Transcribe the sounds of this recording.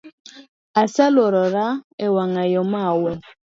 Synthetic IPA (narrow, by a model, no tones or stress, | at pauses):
asalɔɾɔɾaɛwaŋajɔmawɛ